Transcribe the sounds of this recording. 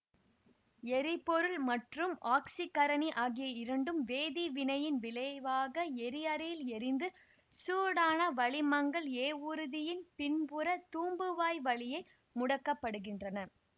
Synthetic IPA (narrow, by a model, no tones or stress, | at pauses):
ɛɾɪpːɔɾɯlmɐʈrɯmʔaːksikɐɾɐniʔaːɣɪjɐɪɾɐɳɖɯmʋeːðiʋɪnɐjɪnʋɪlɐʋaːɣɐɛɾɪjɐɾɐjɪlɛɾɪnd̪ɯ | suːɽaːnɐʋɐɭɪmɐŋɡɐɭeːuɾɯðɪjɪnpɪnpɯɾɐt̪uːmbɯʋaːjʋɐɭɪjɐɪ | mʊɽɐkːɐpːɐɽɯɣɪndrɐnɐ